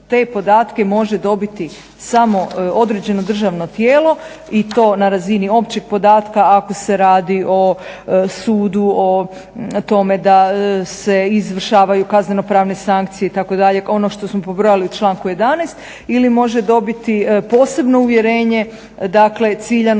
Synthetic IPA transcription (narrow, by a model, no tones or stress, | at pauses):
t̪e̞ːpo̞d̪aːt̪ke̞mo̞ʒed̪o̞bit̪i | samo̞o̞d̪ɾed͡ʑe̞no̞d̪r̩ʒaʋno̞t̪jeːlo̞ | it̪o̞ːnaɾazinio̞pt͡ɕeɡ̥̚po̞d̪aːt̪kaːko̞se̞ɾaːd̪iʔo̞suːd̪uo | t̪o̞me̞d̪ase̞izʋr̩ʃaːʋajukazne̞no̞pɾaːʋne̞saŋk̚t̪sijeit̪ako̞d̪aʎe̞o̞no̞ʃt̪o̞smo̞pobɾo̞jaliut͡ʃlˠaːŋkuje̞d̪anejst̪ | ilimo̞ʒed̪o̞bit̪ipo̞ːse̞bno̞uʋje̞ɾe̞ːɲe̞ | d̪akle̞t̪siːʎan